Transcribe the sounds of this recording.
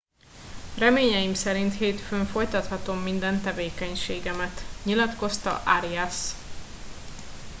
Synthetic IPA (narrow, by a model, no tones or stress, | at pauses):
rɛmeːɲɛjimsɛɾint̪heːt̪føɱfo̞jt̪ɒt̪hɒt̪o̞mːind̪ɛnt̪ɛveːkɛɲʃeːɡɛmɛt̪ɲilɒt̪ko̞st̪ɒ̰ʔaɾiɛs